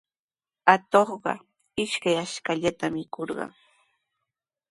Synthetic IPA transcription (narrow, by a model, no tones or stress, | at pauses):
at̪oχɢɑ̰ | ɪʃkajaʃkaʎat̪amɪkoɾɢɑ̰ŋ